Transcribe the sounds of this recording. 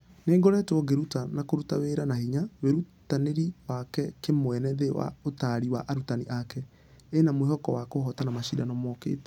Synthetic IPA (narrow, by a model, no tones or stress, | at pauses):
neːŋɡoɾɛtwɔɡeɾutanakoɾutaweɾanahiɲaweɾutaneɾiwakɛkemwɛnɛðewa̰otaɾiwa̰ʔaɾutaniʔakɛ | enamoehɔkɔwakohɔtanamaʃidanɔmɔkḛːtɛ